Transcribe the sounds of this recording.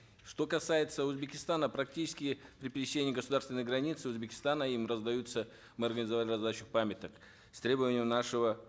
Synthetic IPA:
ʂt̪o̞kɐsajɪt̪səʊzbʲɪkʲɪst̪anəpɾɐk̚tʲit͡ɕɪ̥skʲɪpɾʲɪpʲɾʲɪt͡ɕːenʲɪjəɡəsʊd̪aɾst̪vɪnəjɡɾɐnʲit̪sɨʊzbʲɪkʲɪ̥st̪anəimrəzd̪ɐjut̪sə | mɨɐrɡənʲɪzɐvalʲɪrɐzd̪at͡ɕɨxpamʲɪt̪ək | st̪ɾʲe̞bəvənʲɪjəmnaʂɨvə

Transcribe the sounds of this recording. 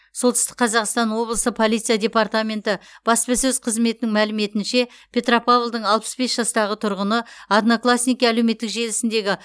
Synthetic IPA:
so̞lt̪əɪst̪ə̥qʰːɑzɑqst̪ɑnwo̞blˠəsəpʰo̞lˠijt̪sijad̪ʲe̞part̪amʲe̞nt̪ɪb̥ɑspɑsɵzqʰəzme̞t̪ɪnɪŋmælɪme̞t̪ɪnʃe̞ | pʲʰe̞t̪ro̞pavlˠd̪əɴɑlˠpə̥sbe̞sʒɑst̪ɑʁət̪ʰʊɾʁənəat̪noklˠasnijkʲiæle̞wme̞t̪ːɪkʒe̞lɪsɪnd̪e̞ɡʲɪ

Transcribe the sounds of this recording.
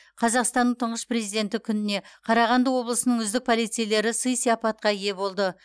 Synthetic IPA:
qʰɑzɑqst̪ɑnːəɴt̪ʰəɴʁəspɾe̞zijd̪e̞nt̪ɪkʲʰʏnɪne̞qʰɑɾɑʁɑnd̪əwo̞blˠəsənəɴʏzd̪ɪk̚pʰo̞lˠijt̪sɨjele̞ɾɪsəjsijɑpɑt̪̚qɑje̞bo̞lˠd̪ə

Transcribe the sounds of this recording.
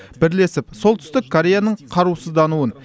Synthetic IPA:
b̥ɪɾle̞sɪpso̞lˠt̪ʰʏ̥st̪ɪkkʰːoɾʲe̞janəɴqʰɑɾusəzd̪ɑnuən

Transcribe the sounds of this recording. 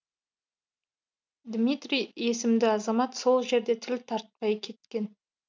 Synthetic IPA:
d̪mʲit̪ɾije̞sɪmd̪ɪɑzɑmɑt̪so̞lˠʒe̞ɾd̪e̞t̪ʰɪlt̪ʰɑɾt̪̚pɑjkʲʰe̞t̪̚kʲe̞n

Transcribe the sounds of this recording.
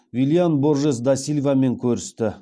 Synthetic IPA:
viljanbo̞rʒe̞sd̪asʲilvame̞ŋkʲʰɵɾɪst̪ɪ

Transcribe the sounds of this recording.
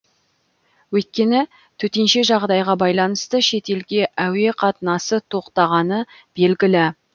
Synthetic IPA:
wɵjt̪̚kʲe̞nɪ | t̪ʰɵt̪e̞nʃe̞ʒɑʁd̪ɑjʁɑbɑjlˠɑnəst̪əʃe̞t̪e̞lɡʲe̞ʔæwe̞qʰɑt̪ənɑsət̪ʰo̞qt̪ɑʁɑnə | b̥e̞lɡʲɪlɪ

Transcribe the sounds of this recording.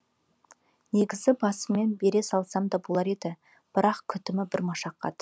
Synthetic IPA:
ne̞ɡʲɪzʲɪbɑsəme̞nbe̞ɾe̞sɑlˠsɑmd̪ɑbo̞lˠɑɾe̞d̪ɪ | b̥ɪɾɑqkʲʰʏt̪ɪmɪbɪɾmɑʃɑqːɑ̰t̪

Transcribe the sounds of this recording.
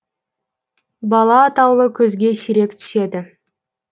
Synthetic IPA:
bɑlˠɑt̪ɑwlˠəkʲʰɵzɡʲe̞siɾe̞kt̪ʰʏ̥ʃe̞d̪ɪ

